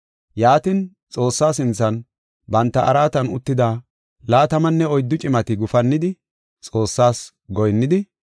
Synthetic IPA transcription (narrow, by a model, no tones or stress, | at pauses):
jaːt̪ɪn | t͡sʼo̞ːsːaːsɪnt͡sːɐn | bɐnt̪ːɐʔɐɾaːt̪ɐnʊ̰t̪ːɪd̪aː | laːt̪ɐmɐnːɛɔjd̪ːʊt͡ʃʼɪmɐt̪ɪɡʊfɐnːɪd̪ɪ | t͡sʼo̞ːsːaːs | ɡɔjnːɪd̪ɪ